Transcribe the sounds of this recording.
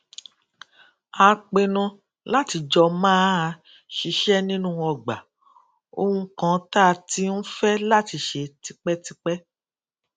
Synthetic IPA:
a˨˧k͡pe˧nũ˧ | la˦ti˧d͡ʒɔ˧mãː˦˧ | ʃi˧ʃɛ˦nĩ˦nũ˦ɔ˧˨ɡ͡ba˨ | o̰˧hũ˧kã˦taː˦˨˧ti˦n̩˦fɛ˦la˦ti˧˦ʃe˧ti˧k͡pɛ˦ti˧k͡pɛ˦

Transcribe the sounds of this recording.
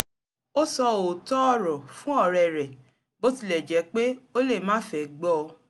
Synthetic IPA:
o˦sɔ˧o˨tɔ˦ɔ˦˨ɾɔ˨fũ˦ɔ˦˨ɾɛ˨ɾɛ˨ | bo˦ti˦˨lɛ˨d͡ʒɛ˨˦k͡pe˦o˦le˦˨mãː˦fɛ˨ɡ͡bɔ˦˧

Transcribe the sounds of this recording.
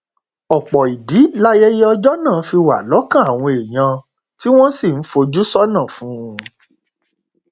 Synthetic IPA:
ɔ˨k͡pɔ˨i˨di˨˦la˦jɛ˦je˦ɔ˧d͡ʒɔ˦nãː˦˨˦fi˧wa̰˨lɔ˨˦kã˦a˨w̃ɔ̃˧e˨j̃ã˧ | ti˦w̃ɔ̃˦si˦˨n̩˦fo˧d͡ʒu˦sɔ˦nã˦˨fũ˨˦ũ˧

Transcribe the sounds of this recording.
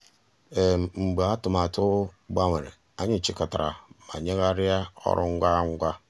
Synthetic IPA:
e˨m˨ŋ͡m̩˨ɡ͡ba˨a˦tʊ˨ma˨tʊ˦ɡ͡ba˦ŋʷe˨ɾḛ˨ | a˦ɲɪ˦˨t͡ʃi˦ka˨ta˨ɾa˨ma̰˨ɲe˦ɣa˦ɾɪ˦ja˦ɔ̰˦ɾʔʊ̰˦ŋ̩˦ɡʷa˦ŋ̩˦ɡʷa˦

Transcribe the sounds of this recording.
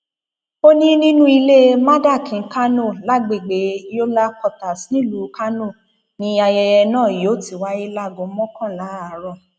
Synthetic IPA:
o˦nĩ˦nĩ˦nũ˦i˧le˦mã˦da˦˨kĩ˨˦ka˦nõ˦˨la˦ɡ͡be˨ɡ͡be˨˦jo˦la˦kɔ˧˨ta˨snĩ˦lu˨˦ka˦nõ˦˨ | nĩ˧a˧jɛ˧jɛ˧nãː˦˨joː˨˦˨ti˦˨wa˦i˦la˦˨ɡõ˧˦mɔ̃˦kã˦˨la˨˦a˨ɾɔ˦˨

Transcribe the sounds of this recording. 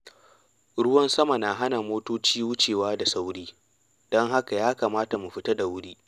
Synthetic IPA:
ɽʊ˦wɐ˦nsɐ˦ma˨na˨ɦa˦na˨moː˦toː˦t͡ʃiː˦wʊ˦t͡ʃeː˨waː˦da˨sa˦wɽiː˦ | d̥ɔ˦ŋɦa˦ka˨jaː˦kaː˨maː˦ta˨mu˨ɸɪ˦ta˦da˨wʊ˦ɽiː˦

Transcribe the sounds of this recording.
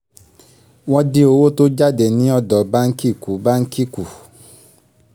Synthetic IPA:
w̃ɔ̃˧di˦o˧wo˦to˦d͡ʒa˦˨de˨nĩ˨˦ɔ˦˨dɔ˨ba˦ŋ̩˦ki˦˨ku˨ba˦ŋ̩˦ki˦ku˨

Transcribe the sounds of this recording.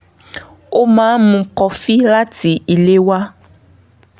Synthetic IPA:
o˦mãː˨˦mũ˨kɔ˨fi˦la˦ti˨i˨le˦wa˦

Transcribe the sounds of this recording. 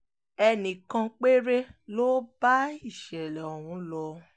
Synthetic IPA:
ɛ˧nĩ˨kã˧k͡pe˦ɾe˦lo˦ba˦i˦˨ʃɛ˨lɛ˨o˨wũ˨˧˦lɔ˧

